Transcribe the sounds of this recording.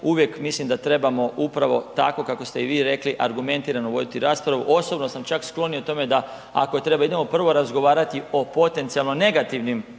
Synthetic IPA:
uʋje̞kmislimd̪at̪ɾe̞bamo̞ʔupɾaʋo̞̰t̪a̰ko̞kako̞st̪e̞iʋiːɾe̞kliʔaɾɡume̞nt̪iːɾanoʋo̞d̪it̪iɾaːspɾaʋuʔo̞so̞bno̞samt͡ʃaksklˠo̞niot̪o̞me̞d̪a | a̰ko̞t̪ɾe̞baid̪e̞mo̞pr̩ʋo̞ɾazɡo̞ʋaːɾat̪io̞po̞t̪e̞nt̪sijalˠno̞ne̞ɡat̪iʋnim

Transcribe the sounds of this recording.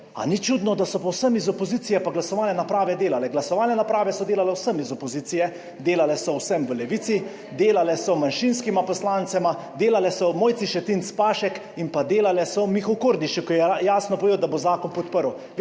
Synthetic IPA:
a̰nit͡ʃud̪nɔd̪asɔpɔwsəmizɔpɔziːt̪sijɛpaɡlasɔʋaːlɛnapɾaːʋɛd̪eːlalɛɡlasɔʋaːlnɛnapɾaːʋɛsɔd̪eːlalɛwsəmizɔpɔziːt̪sijɛ | d̪eːlalɛsɔwsəmʋəlɛʋit̪si | d̪eːlalɛsɔmanʃinskimapɔslaːnt̪sɛma | d̪eːlalɛsɔmoːj̪siʃɛt̪int̪spaːʃɛk | inpad̪eːlalɛsɔmixowkoɾd̪iʃikɔjɛjaːsnɔpoɔʋeːd̪wd̪abozaːkɔnpɔt̪pəɾw

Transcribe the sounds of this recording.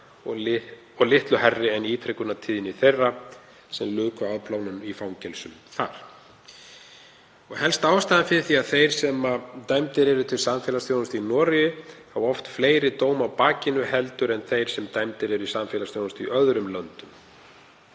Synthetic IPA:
ɔ | ɔɣlɪht̪lʏhɛrːɪɛniːt̪ʰɾɛkʏnat̪ʰiːðɪniθejrːa | sɛmlʏːkaaðplaːwnʏnifawɲcɛlsʏmθa̰ɾ̥ | ɔɣhɛlst̪aːwst̪aðɪnfɪɾθiaðθejɾ̥sɛmat̪ajmt̪ɪɾɛɾʏt̪ʰɪlsamfɛːlast̪jownst̪ʏinɔːɾɪjʏhavɔft̪fleːjɾɪt̪oːwmawpaːcɪnʏhɛlt̪ʏɾɛnθejɾ̥sɛmt̪ajmt̪ɪɾɛɾʏisamfɛːlasθjoːwnʏst̪iʔœðɾʏmlœnt̪ʏm

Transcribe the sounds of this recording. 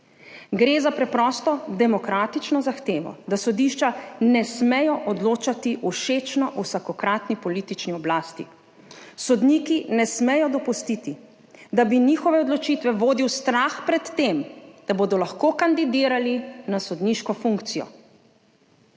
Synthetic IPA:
ɡɾeːzapɾɛpɾɔst̪ɔd̪ɛmɔkɾaːt̪it͡ʃnɔzaxt̪eːʋɔ̰d̪asɔd̪iʃt͡ʃanɛsmɛjɔʔɔd̪loːt͡ʃat̪iʔuʃeːt͡ʃnɔʔusakɔkɾaːt̪nipɔliːt̪it͡ʃniɔblaːst̪ḭ | sɔd̪niːkinɛsmɛjɔd̪ɔpust̪it̪i | d̪abiniːxɔʋɛɔd̪lɔt͡ʃit̪ʋɛʋoːd̪iwst̪ɾaxpɾɛt̪ːemd̪̥aboːd̪ɔlaxkoːkand̪id̪iːɾalinasɔd̪niʃkɔfuŋkt̪sijɔ̰

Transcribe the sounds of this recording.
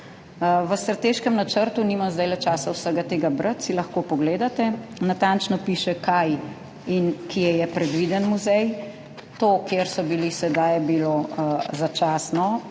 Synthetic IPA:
ʋəst̪ɾat̪eːʃkɛmnat͡ʃəɾt̪unimazd̪ajlɛt͡ʃaːsawsəɡat̪eːɡabɾət̪silɐxkoːpɔɡleːd̪at̪ɛnat̪ant͡ʃnɔpiːʃɛkaj | inkʰijɛjɛpɾɛd̪ʋid̪ɛnmuzɛj | t̪oːkjeɾsɔbilisɛd̪ajbilozat͡ʃaːsnɔ

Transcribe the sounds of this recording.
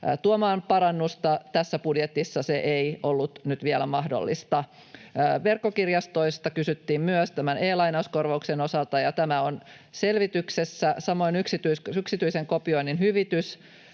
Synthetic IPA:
t̪uomɑːnpɑɾɑnːust̪ɑt̪æsːæpudjet̪isːɑseʔeiolːut̪nyt̪ʋiɛlæmɑhdo̰lːḭst̪ɑː | ʋerkːokirjɑst̪oisst̪ɑkysyt̪ːiːmmyøst̪æmæneːlɑinɑuskorʋɑuksenosɑlt̪ɑjɑt̪æmæon | selʋit̪yksesːæsɑmo̞inyksit̪ysyksit̪yiseŋkopio̞ininhyʋit̪ys

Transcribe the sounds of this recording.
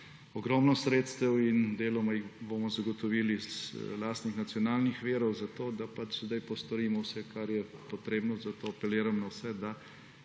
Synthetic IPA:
ɔɡɾɔmnɔsɾeːt̪st̪ɛwind̪eːlɔmajixbomɔzaɡɔt̪ɔʋiːlizlaːst̪nixnat̪sjɔnaːlnixʋeːɾɔwzat̪oːd̪apat͡ʃzd̪ajpɔst̪ɔɾiːmɔwsɛkaɾjɛpɔt̪ɾeːbnɔzat̪oːapɛleːɾamnawsɛd̪a

